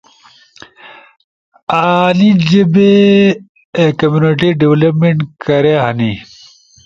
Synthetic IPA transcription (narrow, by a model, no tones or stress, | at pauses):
aːnid͡ʑebe | kɐmjuneʈiɖiwlɐpmeɳʈkɐɾeɦɐni